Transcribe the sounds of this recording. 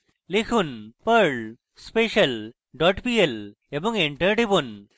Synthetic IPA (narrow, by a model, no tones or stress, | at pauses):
likʰunpəɾɭ | speʃɐl | ɖɔʈpiel | ebɔŋɡeɳʈəɾɖibun